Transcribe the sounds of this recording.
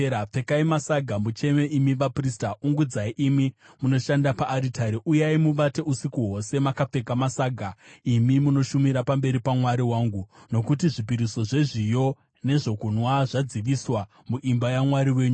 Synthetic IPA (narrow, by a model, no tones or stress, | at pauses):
ap͡fe̞kaimasaɡʱamut͡ʃe̞me̞ʔimiʋapristauŋɡud͡zaiʔimi | muno̞ʃandapaʔːɾitaɾeʔujaimuʋate̞usikuɦo̞se̞makap͡fe̞kamasaːɡʱaimimuno̞ʃumiɾapambe̞ɾipamwaɾiwaːŋɡuno̞kut̬iʐipiɾiso̞ʐe̞ʐijo̞ | ne̞ʐo̞kunwaʐad͡ziʋiswa | muʔimbajamwaɾiwe̞ːɲu